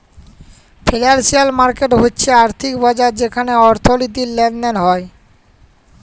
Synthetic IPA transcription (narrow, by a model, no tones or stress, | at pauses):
pʰelaɾsialmaɾkeʈɦotːɕʰeaɾt̪ʰikbɔd͡ʑaɾd͡ʑekʰaneɔɾt̪ʰolit̪̬ilːɛnɖenɦɔe